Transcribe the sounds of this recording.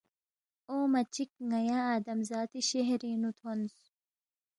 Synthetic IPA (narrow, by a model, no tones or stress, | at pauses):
oːmɐt͡ɕik̚ŋɐjaːaːd̪ɐmzaːt̪iɕeɦɾiːnut̪ʰons